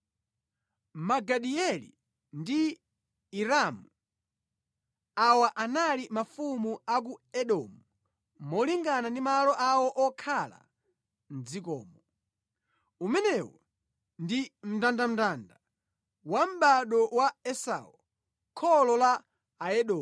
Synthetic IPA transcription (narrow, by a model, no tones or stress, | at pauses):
maɡaɗiɛlḭ | ndi | iɾamu | awaʔanalimafumuak̬uɛɗɔmu | mɔliŋɡanandimalɔʔawɔʔɔkʰala̰ | n̩d͡zikɔ̰ːmɔ | umɛnɛwɔ̰ | ndim̩tandam̩tanda | wam̩ɓaɗɔwaɛsa̰ɔ | kʰɔlɔlaː | ɛɗɔː